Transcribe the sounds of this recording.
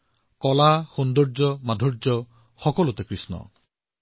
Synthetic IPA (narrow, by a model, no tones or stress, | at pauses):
kɔlaxund̪ɔɾd͡ʒɔmad̪ʱɔɾd͡ʒɔ | xɔkɔlut̪ekɾisnɔ̰